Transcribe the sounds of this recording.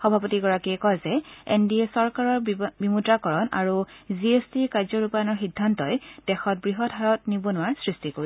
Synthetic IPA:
xɔbʱapɔtiɡɔɹakiɛkɔjzɛḛndiɛsɔɹkaɹɔɹbimudɹakɔɹɔna̰ɹuziestiɹkaɹzɔɹupajanɔɹxidʱːantɔjd̥ɛxɔt̚bɹiɦɔdɦaɹɔtnibɔnʊaɹsɹistikoɹi

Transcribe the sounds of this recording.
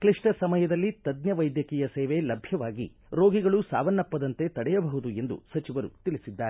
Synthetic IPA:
kliʂʈɐsɐmɐjɐd̪ɐlːit̪ɐd̪njɐʋɐjd̪jɐkɛːjɐseːʋelɐbʱjɐʋaːɡḭ | ɾoːɡiɡɐɭusaːʋɐnːɐpːɐd̪ɐnt̪e̞t̪ɐɽɛjɐbɐɦud̪ue̞nd̪ṵsɐt͡ʃiʋɐɾṵt̪iɭisid̪ːaːɾe

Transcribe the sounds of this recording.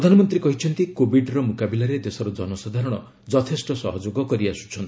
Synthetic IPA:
ɾd̪ʱanɔmɔnt̪ɾikɔɦit͡ʃʰɔnt̪ikobiɖɾɔmukabilaɾed̪esɔɾɔd͡ʒɔnɔsad̪ʱaɾɔɽ̃ɔ̰ | d͡ʒɔt̪ʰesʈɔsɔ̰ɦɔd͡ʒoɡɔkɔɾiasu̥t͡ʃʰɔnt̪i

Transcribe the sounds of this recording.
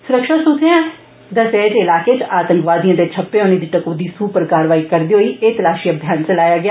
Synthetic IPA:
sʊɾəkʃaːsʊt̪ʰeãː | d̪əsɛːd͡ʒeɪlaːket͡ʃaːt̪ə̃ŋkʋaːd̪ijãːd̪eːt͡ʃʰəpːeõːniːd̪iːʈəkoːd̪iːsuːpəɾkaːɾʋaːiːkəɾd̪iːɦoiːeːt̪əlaːʃiːəbʱjaːnt͡ʃəlaːjaːɡɪjaː

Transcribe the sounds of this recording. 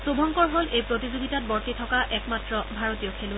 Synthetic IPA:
sobʱɔŋkɔɹɦolʔejpɹotizoɡitat̚bɔɹtitʰɔkaʔɛkmatɹɔbʱaɹotijɔkʰelu

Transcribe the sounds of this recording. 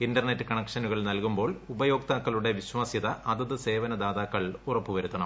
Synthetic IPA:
indɐrnetːɨkɐɳɐkʂɐnuɣɐɭnɐlkumbo̞ːɭubɐjo̞ːk̚t̪aːkːɐɭuɽe̞ʋiɕʋaːsjɐðɐʔɐðɐðɨse̞ːʋɐnɐd̪aːðaːkːɐɭurɐpːuʋɐɾut̪ːɐɳɐm

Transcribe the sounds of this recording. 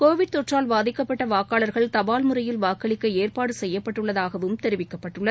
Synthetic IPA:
koːʋɪɽ̚t̪ɔʈraːlʋaːðɪkːɐpːɐʈːɐʋaːkaːlɐɾɣɐɭt̪ɐbaːlmɯrɐjɪlʋaːkːɐɭɪkːɐeːrpaːɽɯsɛjːɐpːɐʈːɯɭːɐðaːɣɐʋɯmt̪ɛɾɪʋɪkːɐpːɐʈːɯɭːɐð

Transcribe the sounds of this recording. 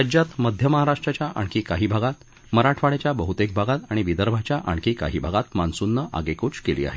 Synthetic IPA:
ad͡ʑjat̪məd̪ʱjəməɦaɾaʂʈɾat͡ɕjaʔa̰ɳkʰiːkaɦiːbʱaɡat̪ | məɾaʈʰʋaɭjat͡ɕjabəɦut̪ek̚bʱaɡat̪aɽ̃iʋid̪əɾbʱat͡ɕjaʔa̰ɳkiːka̰ɦiːbʱaɡat̪mansunːəʔa̰ɡekuːt͡skeliːa̰ɦe

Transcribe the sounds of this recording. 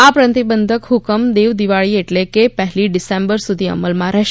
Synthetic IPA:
apɾənt̪ibənd̪ʱəkɦukəmd̪eʋd̪iʋaɭiːeʈlẽkepəɦliːɖisẽmbəɾsud̪ʱiːə̰məlmaɾa

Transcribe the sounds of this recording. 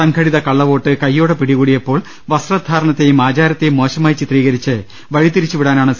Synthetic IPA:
sɐŋɡʰʱɐɽiðɐkɐɭːɐʋo̞ːʈːɨkɐjːo̞ːɽepiɽiɣuːɽijɐpːo̞ːɭ | ʋɐsrɐd̪ʱaːɾɐɳɐt̪ːe̞jumaːd͡ʑaːɾɐt̪ːe̞jumːo̞ːɕɐmaːjt͡ɕit̪riːɣɐɾit͡ɕːɨ | ʋɐɻit̪ːiɾit͡ɕːuʋiɽaːnaːɳɨ

